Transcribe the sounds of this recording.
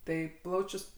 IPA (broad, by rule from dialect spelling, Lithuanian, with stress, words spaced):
ˈtɐɪ ˈplˠɐʊt͡ʃʲʊs